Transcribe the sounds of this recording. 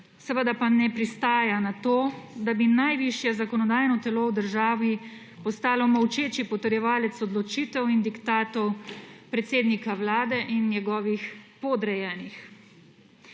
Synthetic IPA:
sɛʋəd̪apanɛpɾist̪aːjanat̪oːd̪abinajʋiʃjɛzakɔnɔd̪aːjnɔt̪ɛlowd̪əɾʒaːʋi | pɔst̪aːlɔmɐwt͡ʃeːt͡ʃipɔt̪əɾjɛʋaːlɛt̪sɔd̪lɔt͡ʃiːt̪ɛwind̪ikt̪aːt̪ɔwpɾɛt̪seːd̪nikawlaːd̪ɛʔinːjɛɡɔːʋixpɔd̪ɾɛjɛːnix

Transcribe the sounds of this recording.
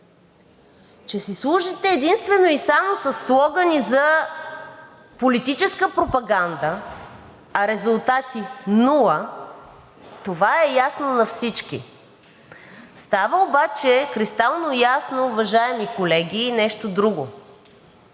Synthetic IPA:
t͡ʃɛsislˠuʒit̪ɛːd̪inst̪vɛnoisamosɐsːlˠɔɡənizɐ | polit̪it͡ʃɛskəpɾopɐɡand̪ə | ɐɾɛzʊlˠt̪at̪inulˠə | t̪ovaɛjasnonɐfsit͡ʃkḭ | st̪avəobat͡ʃɛkɾist̪alˠnojasnoːvɐʒaɛmikolɛɡʲiːnɛʃt̪od̪ɾuɡo

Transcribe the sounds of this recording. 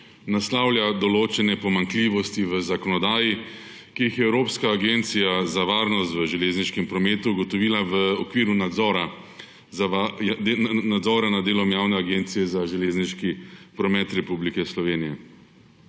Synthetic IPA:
naslawlʲjad̪ɔloːt͡ʃɛnɛpɔmaŋkliʋɔst̪iʋəzakɔnɔd̪aːji | kijixjɛɛwɾoːpskaːɡeːnt̪sijazaʋaːɾnɔst̪ʋəʒɛleːzniʃkɛmpɾɔmeːt̪uːɡɔt̪ɔʋiːlaʋəɔkʋiːɾunazɔɾa | a | nad̪zɔːɾanad̪d̪eːlɔmjaːwnɛaɡeːnt̪sijɛzaʒɛleːzniʃkipɾɔmɛt̪ɾɛpublikɛslɔʋeːnijɛ

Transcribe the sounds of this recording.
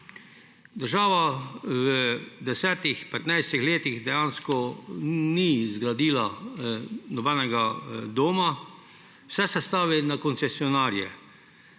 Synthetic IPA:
d̪əɾʒaːʋaʋəd̪ɛsɛːt̪ixpɛt̪najst̪ixleːt̪ixd̪ɛjanskɔnizɡɾad̪iːla | nɔbɛnɛɡad̪oːma | wsɛsɛst̪aːʋinakɔnt̪sɛsiɔnaːɾjɛ̰

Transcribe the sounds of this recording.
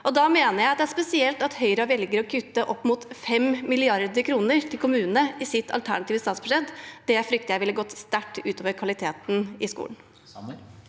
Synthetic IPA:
ʔɔd̪ɑmeːnəjæɪɑt̪d̪ɛæspɛsɪɛlt̪ɑt̪hœʏɾəɔʋɛlɡəɾɔkʰʉt̪ːəʔɔpːmʊt̪fɛmmɪlɪɑɾd̪əkʰɾuːnəɾt̪ʰɪlkʊmʉːnnəɪsɪt̪ʰːɑ̰lt̪ʰæ̰ɳɑt̪iːʋəst̪ɑːt̪sbʂɛt̪ːd̪̥ɛfɾʏk̚t̪əjæɪʋɪlːəɡɔt̪ːst̪æʈːʉːt̪oːʋəɾkʰʋɑlɪt̪ʰeːt̪n̩ɪskṵːln̩

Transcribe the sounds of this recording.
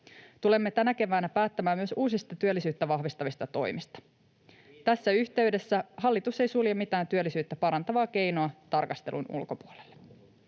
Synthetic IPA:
t̪ule̞mːe̞t̪ænæke̞ʋæːnæpæːt̪ːæmæːmyø̞suːsist̪ɑt̪yølːisyːt̪ːæʋɑɦʋist̪ɑʋist̪ɑt̪o̞̰jmist̪ɑ̥ | t̪æsːæyçt̪e̞yɥde̞sːæhɑlːit̪use̞jsuljemit̪æːnt̪yølːisyːt̪ːæpɑɾɑnt̪ɑʋɑːk̟e̞jnoɑt̪ɑrkɑst̪elʔṵnṵlko̞puolelːe

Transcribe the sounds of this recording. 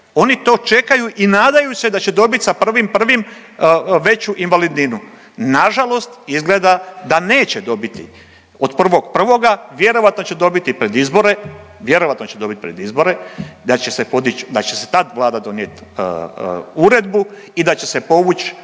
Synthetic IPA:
o̞nit̪o̞ːt͡ʃe̞kajuʔinaːd̪ajuse̞d̪at͡ɕe̞d̪o̞bit̪sapr̩ʋimpr̩ʋim | ʋe̞t͡ɕuʔinʋalid̪ninu | naʒalo̞st̪izɡled̪ad̪ane̞ːt͡ɕed̪o̞bit̪ḭ | od̪pr̩ʋo̞ɡ̥pr̩ʋo̞ɡaʋje̞ɾo̞ʋat̪no̞t͡ɕe̞d̪o̞bit̪ipɾe̞d̪izbo̞ɾe̞ | ʋje̞ɾo̞ʋat̪not͡ɕe̞d̪o̞bit̪pɾe̞d̪izbo̞ɾe̞d̪at͡ɕe̞sepo̞d̪it͡ɕd̪at͡ɕe̞se̞̥t̪ad̪ʋlˠaːd̪ad̪o̞njet̪ː | uɾe̞d̪bu | id̪at͡ɕe̞se̞po̞ʋut͡ɕ

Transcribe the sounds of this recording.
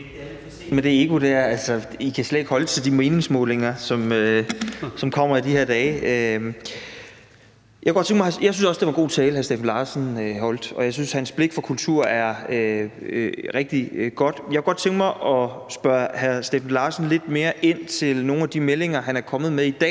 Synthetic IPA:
mend̥e̝e̝ɡ̥o̝d̥æɐælsɒikʰæsled̥e̝ɡ̥hɒ̽lət͡sʰe̝ld̥ime̝ːne̝ŋsmɔ̽ːle̝ŋɐsɒ̽mø | sɒ̽mkʰɒ̽m̰ɐid̥ihe̝ɐd̥ɛːø | jɑ̥æɡ̥ɒ̥t͡sʰeŋɡ̥mɑɪjɑ̈ɪsynsɒ̽sd̥̝ʋɑ̈nŋɡo̝̰ːt͡sʰɛːlhæɐsd̥efn̩lɑ̈ːsən̩øɦɒ̽l̰d̥ɒ̽jɑ̈ɪsynshænsb̥le̝ɡ̥fɒkʰult͡sʰuɐ̰æɐø | ʁɛɡ̥̚d̥iɡ̥ɒ̽d̥jɑkæɡ̥ɒ̽d̥̚t͡sʰeŋɡ̥mɑɪʔɒ̽sb̥ɶɐhæɐsd̥efæn̩lɑ̈ːsn̩le̝d̥me̝ːɐʔe̝n̰t͡sʰe̝lno̝ːn̩æd̥imele̝ŋɐɦænæɐkʰɒ̽mð̩ˠmeðid̥ɛ̰ː

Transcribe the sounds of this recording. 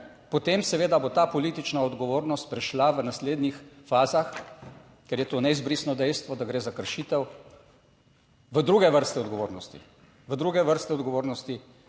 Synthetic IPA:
pɔt̪eːmsɛʋeːd̪abot̪aːpɔlit̪it͡ʃnaɔd̪ɡɔʋoːɾnɔst̪̚pɾɛʃlaʋənasleːd̪nixfaːzax | kɛɾjɛt̪oːnɛizbɾisnɔd̪ɛjst̪ʋɔd̪aɡɾeːzakəɾʃiːt̪ɛw | ʋəd̪ɾuːɡɛʋəɾst̪ɛɔd̪ɡɔʋoːɾnɔst̪ḭ | ʋəd̪ɾuɡɛʋəɾst̪ɛɔd̪ɡɔʋoːɾnɔst̪i

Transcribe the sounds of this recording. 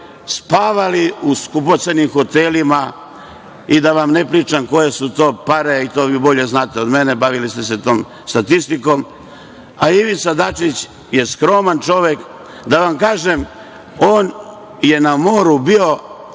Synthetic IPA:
spaːʋaliuskupot̪senimxo̞t̪elima | id̪aʋamnepɾiːt͡ʂamko̞je̞sut̪o̞ːpaɾeit̪o̞ːʋibo̞ʎe̞znaːt̪eo̞d̪mene̞baʋilist̪ese̞t̪o̞ːm | st̪at̪ist̪iko̞m | aiʋit̪sad̪at͡ʃit͡ɕ | je̞skɾo̞mant͡ʃo̞ʋe̞k | d̪aʋamkaːʒem | o̞ːn | je̞namo̞ːɾubio̞

